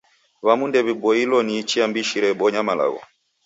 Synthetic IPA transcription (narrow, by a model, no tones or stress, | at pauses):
βamundɛβibɔilɔniːt͡ʃiambiʃiɾɛbɔɲamala̰ɣɔ̰